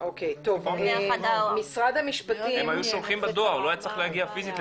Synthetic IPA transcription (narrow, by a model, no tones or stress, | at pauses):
ʔokejt̪o̞vemisʁad̪amiʃpat̪iemajuʃomχimbad̪oaʁloajat͡sʁaχlehaɡiafizitl